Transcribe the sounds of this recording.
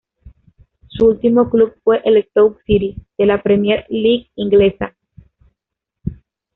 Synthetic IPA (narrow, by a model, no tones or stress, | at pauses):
suult̪imoklub̚fwe̞ʔeles̚t̪owksiɾið̥e̞lapɾemjeɾliɡiŋɡle̞sa